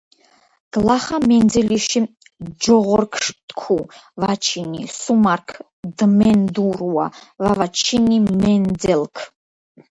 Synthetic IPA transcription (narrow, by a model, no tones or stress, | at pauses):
ɡ̥laχamɛnd͡zɛliʃi | d͡ʒɔʁɔrkʰʂt̪kʷʰuvat͡ʃʰinḭsumarkʰ | d̪mɛnd̪uruwa̰vavat͡ʃʰinimɛndɛlkʰ